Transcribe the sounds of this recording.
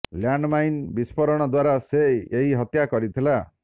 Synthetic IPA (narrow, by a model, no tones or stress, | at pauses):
ljaɳɖmajnbispʰɔɾɔɽ̃ɔd̪waɾaseeɦiɦɔt̪jakɔɾit̪ʰila